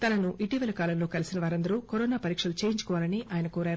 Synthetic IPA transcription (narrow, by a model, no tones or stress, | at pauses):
t̪ɐnɐnuʔiʈiːʋɐlɐkaːlɐmlo̞ːkɐlisinɐʋaːɾɐnd̪ɐɾukoɾɔːnaːpɐɾiːkʂɐlut͡ʃe̞ːjiɲt͡ʃu̥kɔʋaːlɐniʔaːjɐnɐkoːɾaːɾu